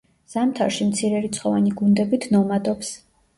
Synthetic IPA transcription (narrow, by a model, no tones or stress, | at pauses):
z̥amt̪ʰa̰ɾʃimt̪sʰiɾɛɾit̪sʰχɔvaniɡund̪ɛbit̪ʰnɔmad̪ɔps